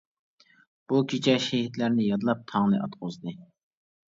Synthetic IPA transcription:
b̥ukʲʰit͡ʃʰɛʃɛhit̪læɾnɪjɑd̪ɨlˠɑp̚t̪ʰɑŋnɨʔɑ̰t̪qozd̪ɨ

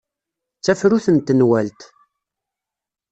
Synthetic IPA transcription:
t͡sːæfɾuθənt̪ːənwælt̪

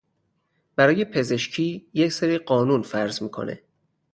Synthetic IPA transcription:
b̥æɾɒːjepʰe̞ze̞ʃcʰiːjecseɾiɢɒːnunfæɾzmiːkʰo̞̰nḛ

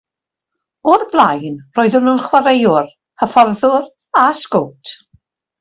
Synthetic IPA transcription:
oːðblˠajnroːjðəmənχwaɾejʊr | həfɔrðʊr | askowtʰ

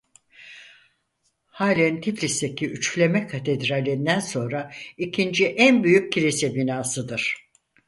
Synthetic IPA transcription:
haːlʲint̪ʰiplʲist̪e̞cʰiʔyt͡ʃlʲe̞mɛkʰat̪ʰed̪ɾalʲːend̪ænso̞nɾaicʰind͡ʒiʔænbyjyc̚ʰːiɾesɛbinaːsɯd̪ɯɾ̥

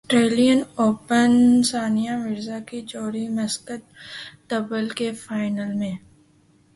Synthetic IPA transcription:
sʈɾeːlijənoːpənsaːnijamɪɾzakit͡ʃɔːɾimɐskət̪t̪ɐbəlkefaːɪnəlmẽː

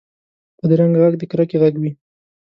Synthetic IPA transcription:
pəd̪əɾaŋɡaɣaɡd̪əkɾakeɣaɡwi

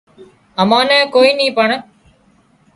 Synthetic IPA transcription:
əmãːnɛ̃ːkoːiːnĩːpəɳ

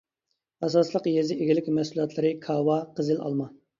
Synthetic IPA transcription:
ɑsɑslˠəqjezɪʔeɡʲilɪkʲmɛsulˠɑt̪ʰlˠɨɾɨkʰɑwɑqʰəzɪlɑ̰lˠmɑ

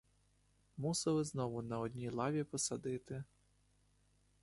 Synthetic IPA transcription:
musɐlˠɪznɔʋʊnɐɔd̪ʲnʲilˠɑʋʲipɔsɐd̪ɪt̪ɪ

